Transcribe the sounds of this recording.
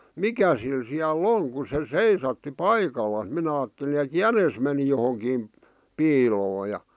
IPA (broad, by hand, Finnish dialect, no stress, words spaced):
mikæ sil siælː oŋ ku se seisɑtːi pɑikɑlːɑs minæ ɑːtːeli ĕt jænes meni johoŋkiːm piːloː jɑ